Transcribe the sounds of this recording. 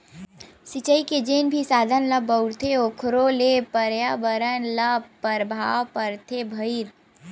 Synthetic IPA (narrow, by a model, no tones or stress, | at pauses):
sɪt͡ʃəiked͡ʒeːnbʱisaːd̪ʱənləbəʊɾt̪ʰeokʰɾolepəɾjaːbəɾənləpəɾbʱawpəɾt̪ʰebʱəɪɾ